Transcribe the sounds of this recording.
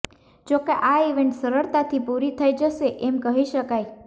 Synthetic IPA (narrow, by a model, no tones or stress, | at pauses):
d͡ʒokeʔaiʋeɳʈsəɾəɾt̪at̪ʰipuɾit̪ʰəjd͡ʒəʃeʔemkəɦiʃəkaj